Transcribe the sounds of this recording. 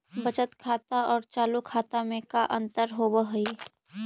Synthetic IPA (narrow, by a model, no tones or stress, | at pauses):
bət͡ʃət̪kʰaːt̪aɔːɾt͡ʃaːlukʰaːt̪amẽkaʔə̃nt̪əɾɦobəɦʊi